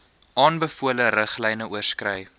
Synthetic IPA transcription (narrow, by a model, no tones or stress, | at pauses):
ʔɑːnbəfuələɾəχlɛjnəuərskrœj